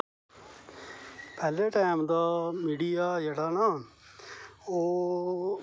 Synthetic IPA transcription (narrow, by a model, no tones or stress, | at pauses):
pɛːleːʈaːɪmd̪aːmiːɖijaːd͡ʒeʈaːnaː | oː